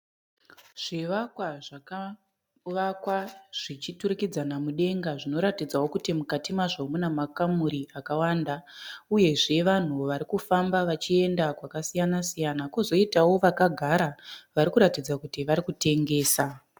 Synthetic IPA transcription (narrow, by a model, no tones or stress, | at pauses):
ʐ̥iʋakwaʐaka | ʋakwaʐ̥it͡ʃiturikid͡zanamuɗe̞ŋɡaʐino̞ɾatid͡zawo̞kutimukatimaʐomunamakamuɾiʔakawaːndauje̞ʐe̞ʋan̤uʋaɾikufambaʋat͡ʃie̞ndakwakasijanasijanakozo̞itawo̞ʋakaɡʱaɾaʋaɾikuɾatid͡zakutiʋaɾikute̞ŋɡe̞ːsa